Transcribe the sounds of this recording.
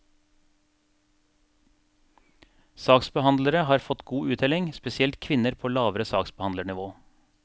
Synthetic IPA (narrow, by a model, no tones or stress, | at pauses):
sɑːksbəhɑnd̪ləɾəhɑːɾfɔt̪ɡuːʉːt̪ɛlɪŋspɛsɪɛlt̪kʰʋɪnəɾpʰoːlɑːʋəɾəsɑːksbəhɑnd̪əɳɪʋoː